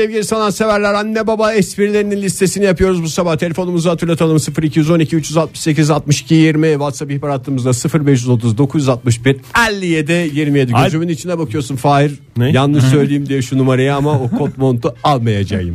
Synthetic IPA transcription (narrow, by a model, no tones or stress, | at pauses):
sɛvɟilʲisanˠansevæɾlʲæɾanːɛbabaɛspiɾlʲeɾininʲist̪ʰe̞sinijapɯjo̞ɾuzbusabaht̪ʰe̞e̞fo̞numuzahat̪ʰɯɾlˠat̪ʰalˠɯmsɯfɯɾicʰijyzo̞nicʰiyt͡ʃjyzalt̪̚mɯ̥ʃse̞cizalt̪̚mɯʃi̥cʰijiɾmiɛvat̪sapihpaɾat̪ʰːˠɯmɯzd̪asɯfɯɾbɛʃyzo̞t̪ʰuzd̪o̞kʰuzjyzat̪̚mɯʃbiɾælʲːijed̪ɛjiɾmijɛd̪iød͡ʒymynit͡ʃʰind̪ɛbakʰɯjo̞ɾsunfaːiɾ | jannːɯʃsø̞jlʲejimd̪ijɛʃunumaɾajaamaokʰo̞t̪mo̞nt̪ʰualˠmajad͡ʒa̰jɯ̰m